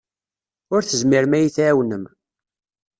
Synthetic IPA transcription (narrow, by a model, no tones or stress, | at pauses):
ʊɾθəzmiɾmæjiθæwnəm